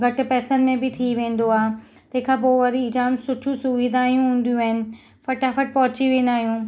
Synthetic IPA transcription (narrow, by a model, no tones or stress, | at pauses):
ɡʱɐʈ̆pɛːsən̆mẽbɪt̪ʰiʋẽːn̆d̪oaːɦ | t̪ɐɦɪ̃kʰaːp̬oːʋɐɾiɪd͡ʑaːmsʊʈʰũsʊʋiːd̪ʱaːijũɦũːn̆d̪ijũaːɦɪnɪ̆ | fɐʈafɐʈ̚pɐɦʊt͡ɕiʋẽːnd̪aːɦijũː